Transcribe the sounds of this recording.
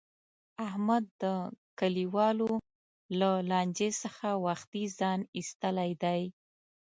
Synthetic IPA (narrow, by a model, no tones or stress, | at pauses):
ahmad̪ːəkaliwɑlo | lalɑnd͡ʒesəxawaxt̪izɑnist̪əlajd̪aj